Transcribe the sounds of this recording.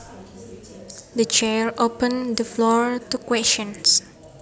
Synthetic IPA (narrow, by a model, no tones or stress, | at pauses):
dət͡ʃɛɹʔopə̃ndəflɔɹtukwɛst͡ʃɔ̃ns